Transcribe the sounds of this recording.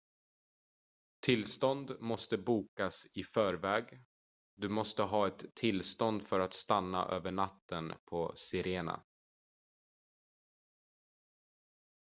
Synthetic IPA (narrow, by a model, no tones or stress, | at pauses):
t̪ʰɪlst̪ɔnd̪mɔst̪əbuːkasɪfœːɾvɛːɡ | d̪ɵmɔst̪əɦɑːɛt̪ʰːɪlːst̪ɔnd̪fœɾat̪st̪anːa̰ʔø̰ːvəɳat̪ʰːənpʰɔsɪɾeːna̰